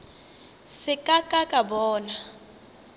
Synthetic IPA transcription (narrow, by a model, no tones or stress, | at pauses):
sɪkʼakʼakʼabɔːna